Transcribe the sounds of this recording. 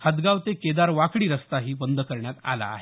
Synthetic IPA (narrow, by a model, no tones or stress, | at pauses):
həd̪ɡaʋt̪eked̪aɾʋakɽiːɾəst̪aɦiːbənd̪əkəɾɳjat̪a̰la̰ːɦe